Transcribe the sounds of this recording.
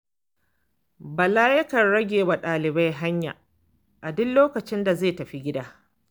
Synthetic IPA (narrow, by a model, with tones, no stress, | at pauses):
ba˨laː˦jɪ˦kɐ˨rɽɐ˦ɡʲeː˨wa˨ɗaː˨lɪ˨ba˦jɦa˦ɲja̰˨ | ʔa˨dʊ˦nloː˦kɐ˨t͡ʃɪ˦nda˨zeː˦˨tɐ˨ɸi˦ɡʲɪ˦daː˦